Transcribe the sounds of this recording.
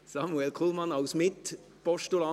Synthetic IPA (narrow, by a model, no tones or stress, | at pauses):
sɑmuɛlkʰulˠmɑnɑʊsmɪt | pɔʃtulɑ